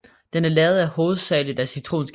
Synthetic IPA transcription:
d̥enæɐlɛːʊð̞̩ˠæho̝ːð̞̩ˠsɛ̰ːɪlid̥æsyt͡sʰʁo̝̰ːnsɡ̥

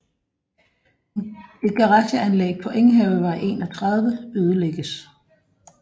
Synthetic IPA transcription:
e̝d̥̚kʰɑ̈ʁɑ̈ɕəænlḛɡ̥̚pʰɒ̽ʔeŋɦɛʊʋɑ̈ɪʔe̝̰ːnɒ̽t͡sʰʁɑ̈ð̞ˠʋəøːð̞ˠəleɡ̥əs

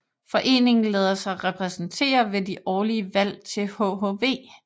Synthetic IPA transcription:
fɒ̽ʔe̝̰ːne̝ŋn̩leːð̞ˠɐsɑ̈ʁɛpʰʁɛsn̩t͡sʰe̝̰ːɐʋe̝diʔɒːliəʋæl̰t͡sʰe̝lhoɦoʋe̝̰ː

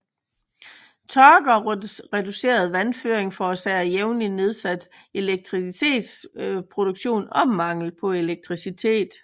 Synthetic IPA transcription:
t͡sʰɒɡ̥ɐʁɛduse̝̰ːɐð̞ˠʋænføːɐeŋfɒsæjeʊnline̝ð̞ˠsæd̥ | e̝leɡ̥̚t͡sʰʁisit͡sʰe̝̰ːd̥spʰʁo̝d̥ouɡ̥ɕo̝̰ːnɒ̽mɑ̈ŋ̰l̩pʰɒ̽e̝leɡ̥̚t͡sʰʁisit͡sʰe̝̰ːd̥

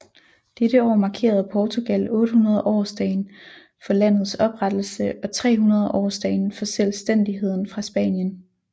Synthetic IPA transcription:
d̥eɾ̥əɒ̰ːmɑ̈kʰe̝̰ːɐð̞̩ˠpʰɒːt͡sʰo̝ɡ̥ælɔ̽ːɾ̥əhunɐð̞ˠʔɒ̰ːsd̥ɛɪn | fɒ̽læn̰ð̞̩ˠsɒ̽b̥ʁad̥l̩səɒ̽t͡sʰʁɛ̰ːɦunɐð̞ˠʔɒ̰ːsd̥ɛɪnfɒ̽selsd̥en̰d̥iɦe̝ð̞̰ˠn̩fʁɑ̈sb̥ɛ̰ːnjən

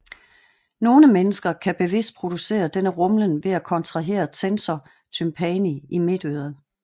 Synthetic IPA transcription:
no̝ːləmenəsɡ̥ɐkʰæb̥e̝ʋe̝sd̥̚pʰʁo̝d̥use̝̰ːɐd̥enəʁɔ̽mlənʋe̝ækʰɒ̽nt͡sʰʁɑ̈ɦe̝̰ːɐt͡sʰensɒ | t͡sʰympʰɛniime̝d̥øːðˠɐ

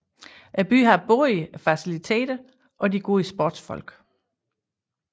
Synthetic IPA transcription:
ʔæb̥y̰ɦɑ̈b̥oːifæsilit͡sʰe̝̰ːd̥ɐ | ʔɒ̽diɡ̥o̝ːsb̥o̰ːd̥sfɒ̽l̰ɡ̥

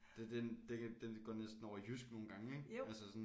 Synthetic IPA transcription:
d̥ed̥end̥ed̥enɡ̥ɒ̰nesd̥n̩ɒʊ̰ɐjysɡ̥no̝ːn̩ɡ̥ɑ̈ŋəeɡ̥ælsəsɒ̽n

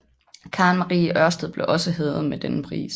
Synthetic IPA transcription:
kʰɑ̈ːnmɑʁiːʔɶɐsd̥ð̩ˠb̥le̝ʔɒ̽səɦeːð̩ˠmed̥enəpʰʁḭːs

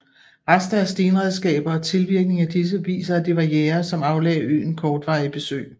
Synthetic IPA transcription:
ʁɑsd̥æɐsd̥iːnʁɛð̞ˠsɡ̥ɛ̰ːb̥ɐːt͡sʰe̝lʋiɐɡ̥̚ne̝ŋæd̥is̬əʋḭːsɐːd̥eʋɑ̈jeːɐsɒ̽mɑ̈ʊlɛ̰ːɪy̰ːn̩kʰɒːd̥ʋɑ̈ɪb̥e̝sø̰ːɪ

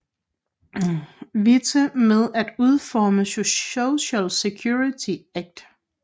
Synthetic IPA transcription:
ʋit͡sʰəmeð̞ˠæd̥uð̞ˠfɒːməsooɕælsekʰjuit͡sʰiæɡ̥̚d̥

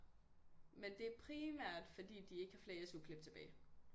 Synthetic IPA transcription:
mend̥e̝æɐpʰʁimæɐ̰d̥fɒ̽d̥ḭːd̥ie̝ɡ̥əhɑ̈fle̝ːɐsukʰleb̥̚t͡sʰe̝b̥ɛ̰ːɪ

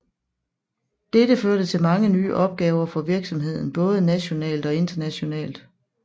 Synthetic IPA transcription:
d̥ed̥əføɐɾ̥ət͡sʰe̝lmɑ̈ŋəny̰ːʔɒ̽b̥̚ɡ̥ɛːʊɐfɒ̽ʋiɐɡ̥sɒ̽mɦe̝ð̞̰ˠn̩b̥ɔ̽ːð̞̩ˠənæɕo̝nɛ̰ːld̥ɒ̽e̝nd̥ɐnæɕo̝nɛ̰ːld̥

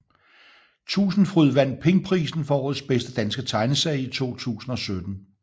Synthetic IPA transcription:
t͡sʰṵːsn̩fʁyð̰ˠʋæn̰d̥̚pʰe̝ŋpʰʁḭːsn̩fɒɒːð̩ˠsb̥esd̥əd̥ænsɡ̥ət͡sʰɑ̈ɪnəsɛɪit͡sʰo̝̰ːt͡sʰṵːsn̩ɒ̽sød̥n̩

